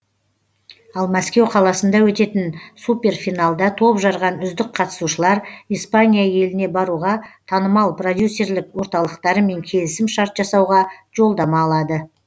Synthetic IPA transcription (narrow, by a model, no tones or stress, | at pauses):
ɑlˠmæskʲe̞wqʰɑlˠɑsənd̪ɑwɵt̪e̞t̪ɪnsupʲe̞rfijnalˠd̪ɑt̪ʰo̞pʒɑɾʁɑnʏzd̪ɪkqʰɑt̪ə̥suʃəlˠɑɾijspanʲijaje̞lɪne̞bɑɾuʁɑt̪ʰɑnəmɑlˠpro̞d̪ʲjusːe̞rlɪkwo̞ɾt̪ɑlˠəqt̪ɑɾəme̞ŋkʲʰe̞lɪsɪmʃɑɾt̪ʒɑsɑwʁɑʒ̥o̞lˠd̪ɑmɑːlˠɑd̪ə